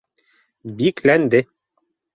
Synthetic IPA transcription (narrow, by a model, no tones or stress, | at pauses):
biklænd̪ɘ